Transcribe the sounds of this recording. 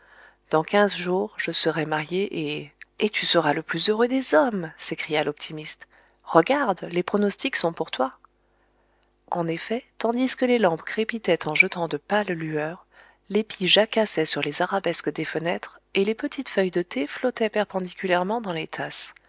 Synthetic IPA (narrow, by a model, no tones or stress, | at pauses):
d̪̥ɑ̃kʲɛ̃zʒuːʁʒəsəʁɛmaʁjeʔeet̪ysəʁaləplyzøʁød̪ezɔmsekχijalɔpt̪ʰimist̪ | ʁəɡaʁd̪lepχɔnɔst̪iksɔ̃puʁt̪wa | ɑ̃nefɛt̪ɑ̃d̪iskəlelɑ̃pkχepit̪ɛt̪ʰɑ̃ʒət̪ɑ̃d̪əpallyœʁ | lepiʒakasɛsyʁlezaʁabɛskəd̪efənɛt̪χelepət̪ʰit̪fœjd̪ət̪ʰeflɔt̪ɛpɛʁpɑ̃d̪ikʲyljɛʁmɑ̃d̪ɑ̃let̪ʰas